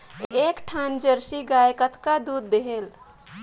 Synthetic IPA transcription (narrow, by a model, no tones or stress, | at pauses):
ekʈʰand͡ʒəɾsiɡajkət̪kad̪ud̪ːeɦel